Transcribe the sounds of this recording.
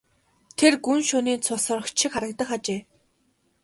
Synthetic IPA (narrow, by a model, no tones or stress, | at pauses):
t̪ʰerɡunʃʊːniːnt͡sʰʊsɔ̆rɞ̆χt͡ɕʰikχaɾə̆k̚t̪ə̆χat͡ɕeː